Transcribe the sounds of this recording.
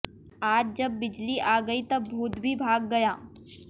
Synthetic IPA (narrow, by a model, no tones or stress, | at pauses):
aːd͡ʒd͡ʒɐbːɪd͡ʒliʔaːɡɐit̪ɐbːʱuːt̪bʱibʱaːɡːɐjaː